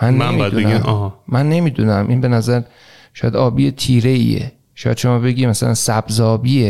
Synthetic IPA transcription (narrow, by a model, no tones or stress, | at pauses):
mænːemid̪unææmɦːænːe̞miːd̪uːnæmʔinbe̞næzæɾ | ʃɒːjæd̪ɒːbiːjet̪ʰiːɾeḭḛ | ʃɒːjæ̰d̪ʃomɒːbe̞ɡʲiːmæsælæ̰nsæb̥zɒːbiːe